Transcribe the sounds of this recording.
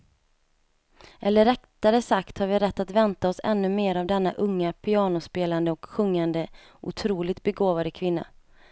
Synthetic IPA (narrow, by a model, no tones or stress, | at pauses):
ʔɛlːəɾɛkt̪aɾəsakt̪haɾvɪɾɛt̪ːat̪vɛnt̪aɔsɛ̰nːɵmeːɾavd̪ɛnːaʔɵŋːapʰɪɑːnʊspeːland̪əɔkɧɵŋːand̪ə | ʔʊ̰t̪ʰɾuːlɪt̪̚bɛɡoːvad̪əkʰvɪnːa̰